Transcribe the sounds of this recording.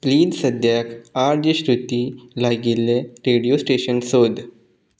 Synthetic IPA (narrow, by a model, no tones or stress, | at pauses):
pliːd̪səd̪jakaɾd͡ʑəɕɾut̪iːlaɡilːeɾeɽijosʈeɕənsod̪